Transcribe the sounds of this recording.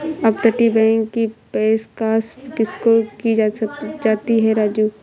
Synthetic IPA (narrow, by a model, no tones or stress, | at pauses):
ɐb̚t̪ɐʈibɛ̃ːŋɡkipeːskaːskɪskokid͡ʒad͡ʒaːt̪iɦɛɾaːd͡ʒuː